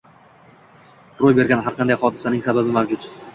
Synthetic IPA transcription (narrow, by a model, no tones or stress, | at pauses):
ɾojbe̞ɾɡʲanɦaɾqʰɑnd̪ajχɒd̪ɪsanɪŋsababɪmawd͡ʒʊt̪